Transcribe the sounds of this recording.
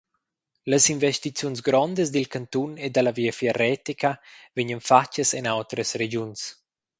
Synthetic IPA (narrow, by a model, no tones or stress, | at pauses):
ləsinvest̪it͡sjuns̬ɡɾɔnd̪əsd̪ilkant̪uned̪alaviafiarɛt̪ikaveɲənfat͡ʃːəsɛnawt̪ɾəsred͡ʒuns